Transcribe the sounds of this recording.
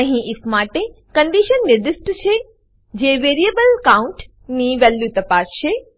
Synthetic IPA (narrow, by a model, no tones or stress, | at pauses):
ɐ̃ɦĩʔɪfmaːʈe | kɐ̃ɳɖ̪iʃənːɪɾd̪ɪsʈt͡ɕʰe | d͡ʑeːʋeːɾiebəlkaːʊ̃ɳʈ | niʋɛːlːjut̪ɐpaːst͡ɕʰe